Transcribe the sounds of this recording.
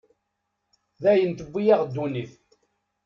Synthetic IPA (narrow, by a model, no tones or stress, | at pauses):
ðæjənt̪əbːijaʁd̪ːuniθ